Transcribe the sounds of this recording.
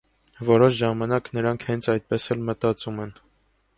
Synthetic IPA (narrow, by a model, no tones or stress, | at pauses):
vɔɾɔʃʒɑmɑnɑknəɾɑŋkʰhɛnt͡sʰɑjt̪̚pɛsɛlmət̪ɑt͡sumɛn